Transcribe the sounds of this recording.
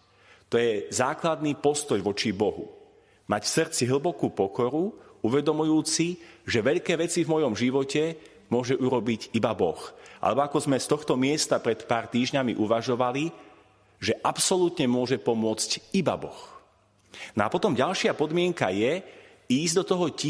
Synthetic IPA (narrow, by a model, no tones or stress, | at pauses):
t̪ɔjɛzaːklad̪nipɔst̪ɔjʋɔt͡ʃibɔɦṵ | macfsrt͡siɦl̩ˠbɔkuːpɔkɔɾuuʋɛd̪ɔmujuːt͡siʒɛʋɛʎkɛːʋɛt͡sivmɔjɔmʒiʋɔcɛ | mʊɔʒɛʔuɾɔbiɟibabɔxʔa̰lɛbɔakɔzmɛst̪ɔxt̪ɔmɪɛst̪apɾɛt̪paːɾt̪iːʒɲamiʔuʋaʒɔʋali | ʒɛʔapsɔlut̪ɲɛmʊɔʒɛpɔmʊɔt͡sciba̰bɔ̰x | nɔapɔt̪ɔmɟalʃɪapɔd̪mɪɛŋka̰jɛ | iːzd̪ɔt̪ɔɦɔci